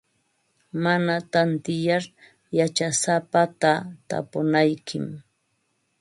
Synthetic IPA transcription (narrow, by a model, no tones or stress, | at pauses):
manat̪ant̪ɪjaɾ | jat͡ʃasapat̪at̪a̰pʊnajkʰɪ̰m